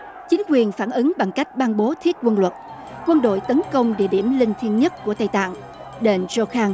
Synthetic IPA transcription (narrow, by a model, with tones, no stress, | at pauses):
t͡ɕï˨˦ŋ̟kwi˨˩ənfaː˧˩nʔɨ˨˦ŋɓa˨˩ŋka˦˥jk̟̚ɓaː˧nɓo˨˦t̪ʰi˦˥ət̚kwə˧nlwə˨˩t̚ | kwə˧nɗo̰˧˨jt̪ə˨˦nkə˧wŋ͡mɗḭ˧˨əɗi˧˩əmlï˧ŋ̟t̪ʰwi˧ənɲə˦˥t̚ku˧˩ət̪a˧˩jt̪a̰ː˧˨ŋ | ɗe˧˩nzo˧xaː˧ŋ